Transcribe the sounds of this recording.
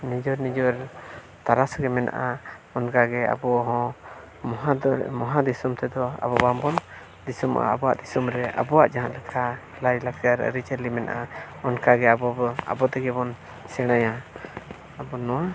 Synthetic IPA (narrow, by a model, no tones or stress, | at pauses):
nid͡ʒɔɾnid͡ʒɔɾ | t̪aɾasɡɛmɛna̰ʔaɔnkaɡɛa̰bɔɦɔ̃ | mɔɦamɔɦad̪isumt̪ɛd̪ɔa̰bɔbambɔn | d̪isumʔa̰abɔwa̰ʔd̪isumɾɛʔa̰bɔwaʔd͡ʒaɦãt̪lɛkʰa | lajlak̚t̪ijaɾə̰ɾit͡ʃɛlimɛnaʔa | ɔnkaɡɛabɔba̰bɔt̪ɛɡɛbɔn | sɛɽ̃aja | abɔnɔ